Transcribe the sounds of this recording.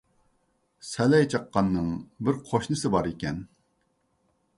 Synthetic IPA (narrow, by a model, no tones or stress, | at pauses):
sɛlɛjt͡ʃʰɑqːɑnːɨŋbɪɾqʰoʃnɨsɨbɑɾikʲɛn